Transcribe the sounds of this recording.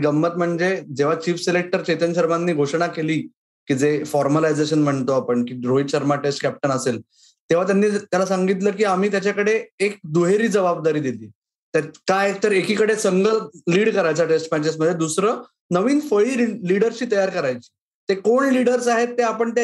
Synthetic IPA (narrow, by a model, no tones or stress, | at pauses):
ɡəmːət̪m̤əɳd͡zed͡zeʋ̤at͡ɕiːfselek̚ʈəɾt͡ɕet̪ənɕəɾmanːiːɡʱoʂɳakeliː | kid͡zefɔɾməlajd͡zeɕ̬ənm̤əɳt̪oapəɳkiːɾojɕəɾmaʈesʈkæp̚ʈənəsel | t̪eʋ̤at̪janːiːt̪jalasaŋɡit̪ləːkiːam̤iːt̪jat͡ɕakəɽeek̚d̪uɦeɾiːd͡zəbab̚d̪aɾiːd̪iliː | t̪akaek̚t̪əɾekiːkəɽesəŋɡəliːɽkəɾajt͡saʈesʈmɛt͡ɕes̬məd̪ʱjed̪usɾəː | nəʋiːnfəɭiːliɽəɾt͡ɕiːt̪əjaɾkəɾajt͡ɕi̥ː | t̪ekoɳliɽəɾsaɦet̪ːeapəɳt̪a